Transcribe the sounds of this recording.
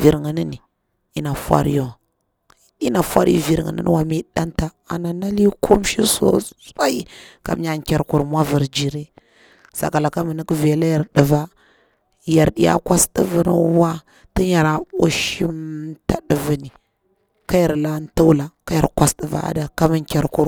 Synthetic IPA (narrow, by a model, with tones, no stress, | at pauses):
vi˨ɾŋə˨ni˦ni˨ | i˦na˨fwa̰˦ɾjo˦˨˦ | i˦na˨fa˦ɾ̰vi˨ɾŋə̰˨nə̰˦n̰˦wa˨mi˦ɗa˦nta˨ | a˨na˨na˦li˦kʰo˦mʃi˦so̰˦sa˦i˦ka̰˨m˦ja˦˨ŋ˨kʲa˨ɾku˨ɾmʷ˦a˦və˨ɾd͡ʒi˨ɾe˦ | sa̰˨ka˨la˨ka˦mə˨ni˦kvi˨a˨la˦ja˨ɾɗə˨va˦ | ja˨ɾɗi˨ja̰˦kʷa˦sdə˨və˦n˨˦wa˦ | tə˦ɲa˨ɾa˨u˦ʃi˦mta˨ɗə˨vi˨ni˨ | ka˦ja˨ɾla˦n˦ta˦wla˨ka˦ja̰˨ɾkwa˦sdə˨va̰˨a̰˦da˨ka˦mi˦ŋkʲa˨ɾku˦ɾ